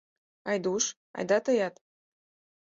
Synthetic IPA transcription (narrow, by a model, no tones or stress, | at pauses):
ɑjd̪uʃ | ɑ̰jd̪ɑt̪ɤjɑt̪